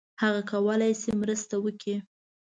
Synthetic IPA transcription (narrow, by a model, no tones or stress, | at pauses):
haɣakawəlajsemɾəst̪awəki